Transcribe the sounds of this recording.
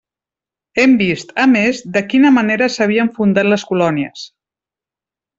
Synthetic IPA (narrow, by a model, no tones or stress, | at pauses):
ɛmbist̪əmezd̪əkinəməneɾəsəβ̞iəɱfund̪at̪ləskulɔniə̰s